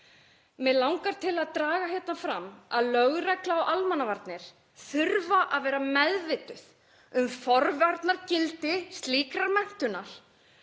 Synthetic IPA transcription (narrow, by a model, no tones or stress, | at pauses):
mɛðlawŋkaɾ̥t̪ʰɪlaðt̪ɾaːɣaçjɛt̪nafɾamaðlœɣɾɛklaawʔalmanːavaɾt̪nɪɾ̥ | θʏɾvaʔaðvɛːɾamɛðvɪt̪ʏθ | ʏmfɔɾvaɾt̪naɾcɪlt̪ɪst̪liːkɾaɾmɛn̥t̪ʏnaɾ̥